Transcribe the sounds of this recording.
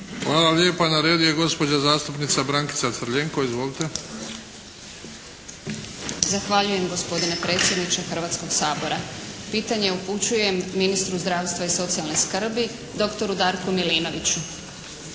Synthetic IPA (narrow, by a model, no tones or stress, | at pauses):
xʋaːlaljeːpanaɾed̪ijeɡo̞spod͡ʑazaːst̪upnit̪sabɾaŋki̥t̪sat̪sr̩ʎeːŋkoizʋolit̪e | zaxʋaʎuje̞mɡo̞spo̞d̪ine̞pɾe̞ːt̪sʲjed̪nit͡ʃexr̩ʋaːt̪sko̞ɡsaːboɾapiːt̪aɲeuput͡ɕuje̞mːinist̪ɾuzd̪ɾaːʋst̪ʋaiso̞t̪sialˠneskr̩bi | d̪o̞kt̪o̞ɾud̪aːɾkumiliːno̞ʋit͡ɕu